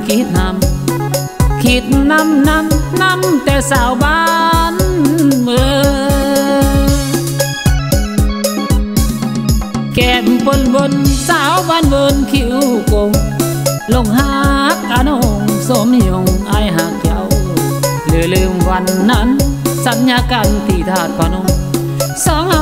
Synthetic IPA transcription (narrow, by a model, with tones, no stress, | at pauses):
kʰi˧˦t̪̚na˧˩m | kʰi˧˩t̪̚na˧mna˧mna˧˥mt̪ɛ˧˩saː˧˩wɓaː˧˦nvə˧ | kɛ˧˩mpə˧nvə˧nsaː˧˦wbaː˧˥˨nwɤː˧nkʰi˧˦ko˧ŋ | lo˧˩ŋha˧˦k̚ʔa˧˦no˧˨ŋso˧˦mhi˧˨o˧˩ŋʔaː˧˩˨jɦaː˨˦ŋkʰja˧˦w | lɯː˨˦lɯ˧ŋwa˧nːa˧˥nsa˧˦t̚ɲaː˧˥kaː˧˨nt̪iː˨˩t̪ʰaː˧˩t̪̚pʰa˧˨no˧˨ŋ | sɔː˨˦ŋa˧